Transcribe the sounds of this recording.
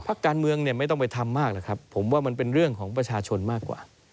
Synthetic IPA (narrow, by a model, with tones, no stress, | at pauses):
pʰa˦˥kːaː˧nmɯ˧əŋni˥˩əma˥˩jt̪ɔ˥˩ŋp̬jt̪ʰa˧mːaː˥˩k̚la˨˩kʰɾa˦˥pʰːo˩˦mwaː˥˩ma˧np̬e˧nɾɯ˥˩əŋkʰɔː˩˦ŋp̬ɾa˧t͡ɕʰaː˧t͡ɕʰo˧nmaː˥˩kwa̰ː˨˩